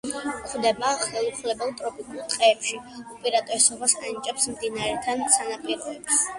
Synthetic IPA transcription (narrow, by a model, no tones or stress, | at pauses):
kʰd̪ɛbaχɛlˠuχlɛbɛlˠt̪ʼɾɔpʼikʼulˠt̪ʼqʼɛːpʃiɔpʼɛɾat̪ʼɔsɔbasanit͡ʃʼɛpsmd̪inaɾɛt̪ʰansanapʼiɾɔɛbs